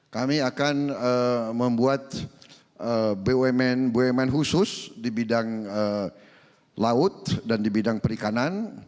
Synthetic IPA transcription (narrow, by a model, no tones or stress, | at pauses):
kamiakanəməmbuat̪̚ | ʔəbeɛmɛnbuɛmɛnɦusʊsdibidaŋə | laʊt̪̚dandibidaŋpəɾikanan